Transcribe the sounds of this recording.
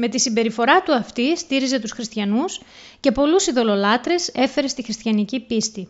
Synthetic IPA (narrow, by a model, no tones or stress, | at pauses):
me̞t̪isimbe̞ɾifo̞ɾɐt̪uɐft̪ist̪iɾize̞t̪usxɾist̪çɐnus | ce̞po̞lusiðo̞lo̞lɐt̪ɾe̞se̞fe̞ɾe̞st̪ixɾist̪çɐnicipist̪i